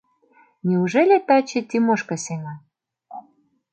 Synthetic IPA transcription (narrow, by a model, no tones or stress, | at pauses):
nʲiuʒelʲet̪ɑt͡ɕet̪ʲimoʃkɤ̆seŋɑ